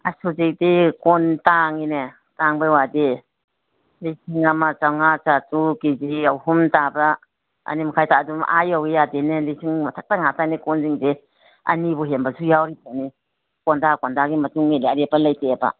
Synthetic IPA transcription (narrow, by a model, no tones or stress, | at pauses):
a̰suzek̚dekɔntaŋine | taŋbawade | lisiŋamat͡ʃawŋat͡ʃatukiziawhumtaba | a̰nimakʰajtaːduma̰jawɡejadenelisʰiŋmatʰak̚taŋatanikɔnziŋde | a̰nibɔɦembasujawɾipʰani | kɔndakɔndaɡimɐtuŋmeleaɾepalajteba̰